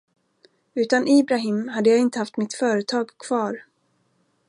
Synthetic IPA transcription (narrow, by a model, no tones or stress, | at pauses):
ʉ̟ːt̪anʔiːbɾaɦɪːmɦad̪ːəjaːɡɪnt̪əhaft̪mɪt̪fœːɾət̪ʰɑːɡkʰv̥ɑːɾ